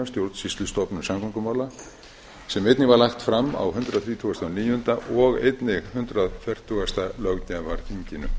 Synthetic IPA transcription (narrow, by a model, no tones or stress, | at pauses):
amst̪jowɾt̪sist̪lʏst̪ɔpnʏmsamkʰaŋkʏmaːwla | sɛmɪjt̪nɪvaɾlaxt̪fɾama̰wɦʏnt̪ɾaðθɾiːt̪ʰuast̪aniːjʏʏnt̪aʔɔɣḛjt̪nɪɣhʏnt̪ɾaðfjɛr̥t̪ʰːuast̪alœɣcavaɾ̥θʰiɲcɪnʏ̰